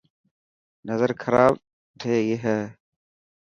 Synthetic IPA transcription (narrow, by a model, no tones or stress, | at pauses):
nɐzɐɾkʰɐɾaːb | t̪ʰeːjeɦa